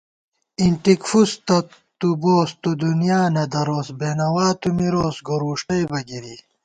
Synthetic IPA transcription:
iɳʈikfust̪ɐ | t̪uboːst̪ud̪unjaːnɐd̪ɐɾoːsbeːnɐwaːt̪umiɾoːsɡoɾuːʂʈɐjbɐɡiɾi

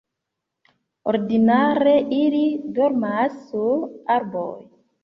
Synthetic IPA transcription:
oɾdinaɾeʔilidɔɾmasːuaɾboj

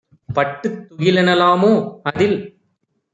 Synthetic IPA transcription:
pɐʈːɯt̪ːʊɣɪlɐnɐlaːmoːɐðɪl

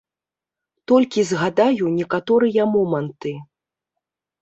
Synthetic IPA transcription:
t̪ɔlʲkʲizɣad̪ajunʲɛkat̪ɔɾɨjɐmɔmɐnt̪ɨ

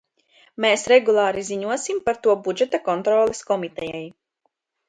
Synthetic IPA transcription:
meːsɾɛɡulˠɑːɾiziɲuɔsimpaɾt̪uɔbud͡ʒɛt̪akɔnt̪ɾɔːlˠeskɔmit̪ɛjɛj

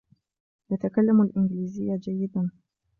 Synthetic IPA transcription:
jat̪akalːamulʔiŋɡlizijad͡ʒajid̪an

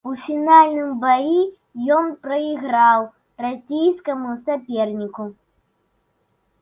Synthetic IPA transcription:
ufʲinalʲnɨmbaji | jɔnpɾɐiɣɾaw | rasʲijskɐmusapʲɛrnʲiku

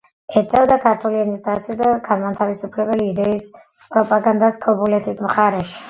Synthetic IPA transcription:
ɛt̪sʼɛvd̪akʰaɾt̪ʰuliɛnisd̪at̪sʰwisd̪aɡanmat̪ʰavisupʰlɛbɛliːd̪ɛis | pʼɾɔpʼaɡand̪askʼʰɔbulɛt̪ʰismχaɾɛʃi̥

